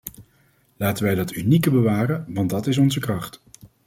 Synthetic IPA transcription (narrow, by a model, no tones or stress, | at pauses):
laːtənʋɛjdɑtynikəbəʋaːrəʋɑntdɑtɪs̬ɔnzəkrɑχt